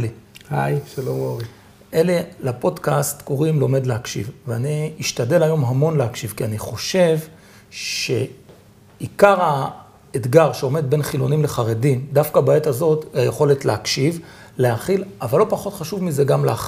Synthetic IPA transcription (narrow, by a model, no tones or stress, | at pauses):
ihajʃalomoʁi | ʔele̞lapo̞dkast̪ko̞ʁimlo̞me̞dleɦakʃḭvveaniiʃtad̪e̞lajo̞mɦamo̞nleɦakʃivkianiχo̞ʃe̞v | ʃe̞̰ | ikaʁa | ed̪ɡaʁʃeo̞me̞d̪̚be̞nχilo̞nimle̞χaʁedimd̪afkabaet̪azo̞tajeχo̞le̞tleakʃiv | lehaχilavalːo̞paχo̞tχaʃuvmize̞ɡamleaχ